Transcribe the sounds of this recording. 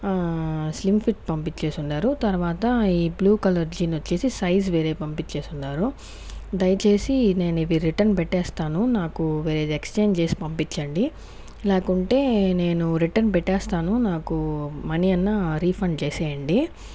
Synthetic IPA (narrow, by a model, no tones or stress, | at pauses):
slimpʰiʈ̚pɐmpit͡ʃt͡ʃe̞ːsunɖaːɾut̪ɐɾʋaːt̪ɐiːbluːkɐlɐɾd͡ʒinot͡ʃːe̞ːsisɐjs̬ʋe̞ːɾe̞ːpɐmpit͡ʃt͡ʃe̞ːsunːaːɾu | d̪ɐjɐt͡ʃe̞ːsine̞ːniʋiɾɾiʈɐɾnpɛʈːɛːst̪aːnunaːkuʋe̞ːɾeːd̪ekst͡ʃe̞ːɲd͡ʒt͡ʃe̞ːsi̥pɐmpit͡ʃːɐɳɖi | laːkuɳʈe̞ːneːnuɾiʈɐɾnpɛʈːɛːst̪aːnunaːkumɐnijɐnːɐɾiːpʰɐɳɖt͡ʃeːsɛːjɐɳɖi